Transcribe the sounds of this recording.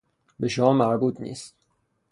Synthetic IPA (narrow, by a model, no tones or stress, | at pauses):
be̞ʃomɒːmæɾbuːt̪ʰnḭːst̪